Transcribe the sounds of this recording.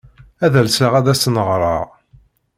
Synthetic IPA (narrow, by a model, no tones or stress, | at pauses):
æðəlsəʁæðæsnəʁɾˤɑ̰ʁ